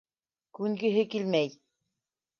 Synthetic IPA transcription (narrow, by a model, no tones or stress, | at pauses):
kunɡɘɦɘkilʲmæj